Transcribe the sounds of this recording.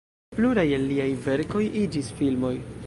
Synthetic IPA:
pluɾajelːiajve̞ɾko̞jid͡ʒisfilmo̞j

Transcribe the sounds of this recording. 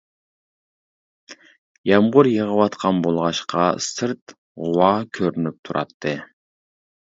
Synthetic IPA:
jɑmʁʊɾjəʁəwɑt̪qʰɑnbolˠʁɑʃqʰɑsɨɾt̪ | ʁʊwɑkʲʰøɾynyp̚t̪ʰuɾʔɑ̰t̪ʰːɨ

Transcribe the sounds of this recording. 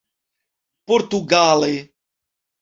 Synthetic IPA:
poɾt̪uɡale

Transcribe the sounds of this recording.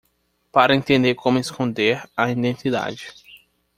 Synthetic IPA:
paɾɐẽnt̪ẽnd̪eɾkõmʊeskõnd̪eɾɐĩd̪ẽnt̪id̪a̰d͡ʒɪ

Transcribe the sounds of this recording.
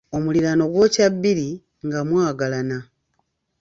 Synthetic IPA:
omuliɾano̞ɡwo̞ːcaβːiɾi | ŋɡamwaːɡalana

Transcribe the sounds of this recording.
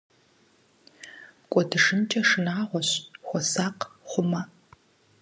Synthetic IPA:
kʷʼɔdɨʂɨmt͡ʃʼɐʂɨnaːʁʷɔɕxʷɔsaːqχʷʊmɐ

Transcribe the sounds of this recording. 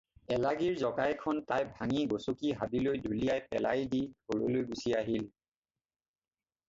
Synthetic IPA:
ɛlaɡiɹzɔɡajkʰɔntajbʱaŋiɡosokiɦabilojdulijajpɛ̰la̰jdidʱoɹo̰lojɡusiaɦil

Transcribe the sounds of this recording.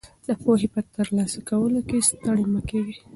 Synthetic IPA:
d̪əpoɦepət̪əɾlɑsakawəlokest̪əɽiməkeɡi

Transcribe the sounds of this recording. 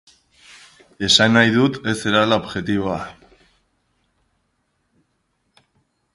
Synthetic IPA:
e̞sanːajðut̪e̞se̞ɾalaobʝe̞t̪iβoa

